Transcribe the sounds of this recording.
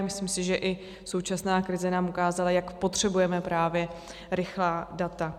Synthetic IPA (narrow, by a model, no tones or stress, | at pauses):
mɪslimsɪʒɛʔɪ | so̞wt͡ʃasnaːkɾɪzɛnaːmukaːzalajakpo̞t̪r̝̥ɛbujɛmɛpɾaːvjɛ | ɾɪxlaːdat̪a